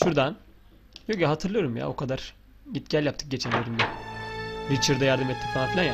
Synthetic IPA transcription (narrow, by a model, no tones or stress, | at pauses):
ʃuɾd̪an | jokjaɦat̪ʰɯɾlˠɯjo̞ɾumja̰o̞̰kʰad̪aɾ̥ | ɟit̪̚ɟ̥ælʲjap̚t̪ʰɯ̥k̚ɟe̞t͡ʃʰænlʲeɾimbi | ɾit͡ʃʰɯɾd̪ajaɾd̪ɯmɛt̪ːi̥kfanafilʲˠana